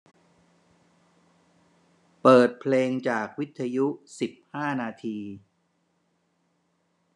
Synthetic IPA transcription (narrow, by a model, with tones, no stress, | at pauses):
pɤː˨˩t̪̚pʰleː˧ŋt͡ɕaː˨˩k̚wi˦˥t̪ʰːa˧ju˦˥si˨˩p̚haː˥˩naː˧t̪ʰiː˧